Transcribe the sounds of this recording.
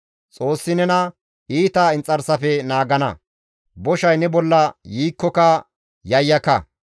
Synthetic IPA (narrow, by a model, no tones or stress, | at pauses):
t͡sʼo̞ːsːɪnɛnɐ | iːt̪ɐɪnt͡sʼɐɾsɐfɛnaːɡɐnɐ̰ | bɔʃɐjnɛbɔlːɐjiːkːɔkɐ | jɐjːɐkɐ